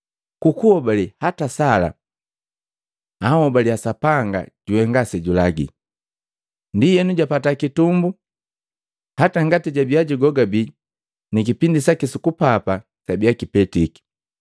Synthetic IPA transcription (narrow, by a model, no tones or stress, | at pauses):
kukuhɔbalihatasala̰ | ahɔbaliasapaŋɡa̰ɟ̥uwɛŋɡasɛɟulaɡḭ | ndijɛnuɟapatakitumbu | hataŋɡatiɟabiaɟiɡɔɡabi | nikipindisakisukupapa | sabiakipɛtiki̥